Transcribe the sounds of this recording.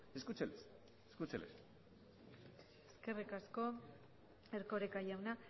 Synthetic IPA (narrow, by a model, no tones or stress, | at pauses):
eskut͡seles | eskut͡selḛs | eske̞rikasko̞ | eɾkoɾekaʝawna